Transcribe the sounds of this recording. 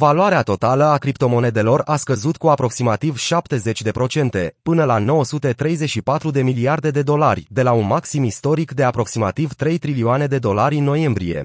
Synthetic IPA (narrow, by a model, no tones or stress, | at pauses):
valuaɾeat̪o̞t̪aləakɾipt̪o̞mo̞ne̞d̪e̞lo̞raskəzut̪kuapɾo̞ksimat̪ivʃap̚t̪e̞ze̞t͡ʃʲd̪e̞pɾo̞t͡ʃe̞nt̪e̞pɨnəlano̞wəsut̪e̞t̪ɾe̞jzet͡ʃʃipat̪ɾud̪e̞miliard̪e̞d̪e̞d̪o̞larʲd̪e̞launmaksimist̪o̞ɾikd̪e̞apɾo̞ksima̰t̪ivt̪ɾe̞jt̪ɾilioane̞d̪e̞d̪o̞laɾʲɨnːo̞je̞mbɾije̞̰